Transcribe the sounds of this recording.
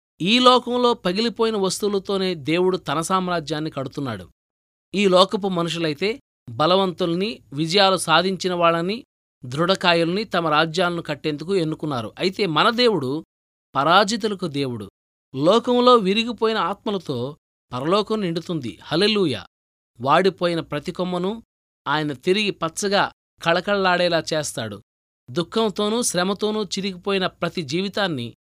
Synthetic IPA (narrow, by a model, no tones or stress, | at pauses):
iːlɔːkɐmlo̞ːpɐɡilipo̞ːjinɐʋɐst̪ulɐt̪o̞ːne̞ːd̪e̞ːwuɽut̪ɐnɐsaːmɾaːd͡ʒjaːnːikɐɽut̪unːa̰ːɽṵ | iːlɔːkɐp̬umɐnuʂ̬ulɐjit̪e̞ː | bɐlɐʋɐnt̪ulɐniʋid͡ʒɐjaːlusaːd̪ʱiɲt͡ʃinɐʋaːɭːɐni | d̪ɾuɽɐkaːjulɐnit̪ɐmɐɾaːd͡ʒjaːlɐnukɐʈːe̞nd̪ukue̞nːukunːaːɾṵʔɐjit̪e̞ːmɐnɐd̪e̞ːwuɽu | pɐɾaːd͡ʒit̪̬ulɐk̬ud̪e̞ːwuɽṵ | lɔːkɐmlo̞ːʋiɾiɡipo̞ːjinɐaːt̪mɐlɐt̪o̞ː | pɐɾɐlɔːkɐmniɳɖut̪und̪ḭhɐle̞luːja̰ː | ʋaːɽipo̞ːjinɐpɾɐt̪ikɔmːɐnu | aːjɐnɐt̪iɾiɡipɐtːsɐɡaː | kɐɭɐkɐɭɐlaːɽɛːlaːt͡ʃeːst̪aːɽṵ | d̪ukʰːɐmt̪o̞ːnuʃɾɛmɐt̪o̞ːnut͡ʃiɾiɡipo̞ːjinɐpɾɐt̪id͡ʒiːʋit̪aːnːḭ